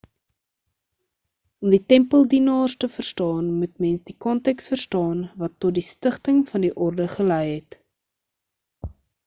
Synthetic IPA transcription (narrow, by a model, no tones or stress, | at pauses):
ɔmditɛmpəlˠdinɑːrstəfərstɑːnmutmɛnsdikɔntɛksfərstɑːnvɐtːɔt̚distəχtəŋfɐndiʔɔrdəχəlɛjɦɛt